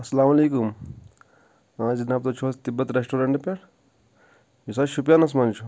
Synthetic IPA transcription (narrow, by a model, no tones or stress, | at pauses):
ɐsɐlaːmɐleːkum | azinaːp̚t̪ot͡ʃʰoːst̪ibɐt̪ɾesʈoːɾeɳʈpeɾ | jusaʃupjanɐs̬mant͡ʃʰu